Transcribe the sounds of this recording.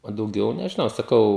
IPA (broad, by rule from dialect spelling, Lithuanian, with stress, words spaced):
oː dɐʊˈɡʲɛʊ nʲɛʒʲɪˈnɐʊ sɐˈkɐʊ